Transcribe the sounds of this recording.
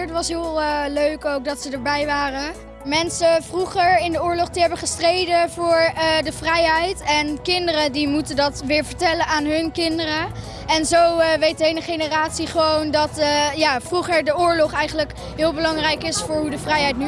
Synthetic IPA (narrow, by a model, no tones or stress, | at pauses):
ɹtʋɑsɦɪːlˠəløɥkowk̚dɑtsədəɹbɛjʋaːrə | mɛnsəvruχəɹɪndəʊːɹlɔχtəɦɛbəχəstrejdəvʊːɹədəvrɛjɦɛjtɛnkɪndərədimutəndɑtʋɪːɹvəɹtɛlənaːnɦɵnkɪndərə | ɛnzowʋejt̚əejnəχejnəraːtsiχəʋowndɑtjaːfruχəɹdəʊːɹlɔχɛjχənlək | ɦɪːlˠbəlɑŋrɛjkɪsfʊːɹɦudəvrɛjɦɛjt̚ny